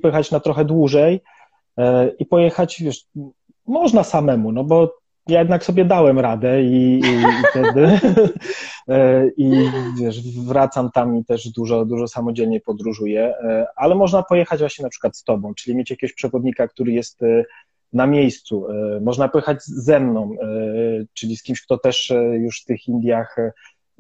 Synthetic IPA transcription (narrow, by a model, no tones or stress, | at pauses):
pɔjɛxat͡ɕnat̪ɾɔxɛd̪wuʐɛj | ipɔjɛxat͡ɕvʲjɛʂ | mɔʐnasamɛmunɔbɔ | jajɛd̪naksɔbʲjɛd̪awɛmɾad̪ɛiːft̪ɛd̪ɘ | ivʲjɛʂvɾat̪samt̪amit̪ɛʐd̪uʐɔd̪uʐɔsamɔd͡ʑɛlɲɛpɔd̪ɾuʐujɛalɛmɔʐnapɔjɛxad͡ʑvwaɕɲɛnapʂɘ̥kwat̪st̪ɔbɔ̃w̃t͡ʂɘlʲimʲjet͡ɕjakʲɛɡɔɕpʂɛvɔd̪ɲikak̚t̪uɾɘjɛst̪ | namʲjejst̪sumɔʐnapɔjɛxad͡ʑzɛmnɔ̃w̃ | t͡ʂɘlʲiskʲimɕk̚t̪ɔt̪ɛʂjuʂft̪ɘxind̪ʲjax